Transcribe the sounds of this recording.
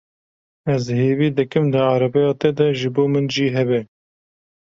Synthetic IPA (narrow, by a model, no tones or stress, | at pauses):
ɛzheːviːd̪ɨkɨmd̪ɨɑːɾɛbɛjɑːt̪ɛd̪ɛʒɨboːmɨnʒiːɦɛbɛ